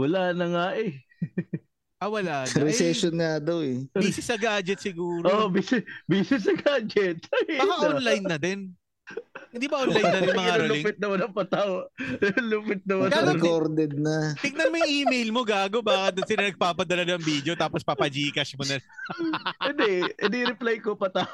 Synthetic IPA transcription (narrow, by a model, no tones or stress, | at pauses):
wɐlaːnɐŋaʔɛ | ʔɐwɐlaːnɾɛsɛʃonaːd̪oɛbiːsɪsːɐɡaːd͡ʒɛt̪̚sɪɡuːɾobiːsɪbiːsɪs̬ːɐɡaːd͡ʒɛt̪̚maʔonlajnːɐd̪ɛn | ɪnd̪iːbɐʔonlaj̪ɐŋmɐŋaɾolʊɪŋpɪt̪̚nɐmɐnɐŋpɐt̪awɐluːpɪt̪̚nɐmaɐɾɛkoɾd̪ɛd̪̚nɐt̪ɪɡ̚nɐnmojʔiːmejlmo̞ɡaːɡo̞baːkɐt̪̚sɪnɐnɐɡ̚paːpɐd̪ɐlɐnɐɐŋbid̪eot̪aːpospɐpɐd͡ʒiːkɐsmonɐl | ɪnd̪ɛʔɪniɾɪplajkopɐt̪a